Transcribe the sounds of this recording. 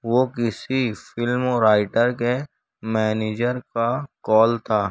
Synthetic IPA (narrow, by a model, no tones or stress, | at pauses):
ʋoːkɪsifɪlmɔːɾaːɪʈəɾke | mɛːneːd͡ʒəɾkakɔːlt̪ʰaː